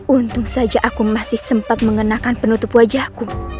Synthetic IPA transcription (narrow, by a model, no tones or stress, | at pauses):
ʔunt̪ʊŋsad͡ʒaʔakumasɪhsəmpat̪̚məŋənakanpənut̪upuad͡ʒaku